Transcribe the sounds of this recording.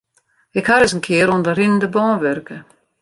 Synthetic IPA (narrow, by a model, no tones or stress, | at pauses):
ɪkhaɾɪsənkʰɪəɾɔndərɪnəndəbɔːnʋørkə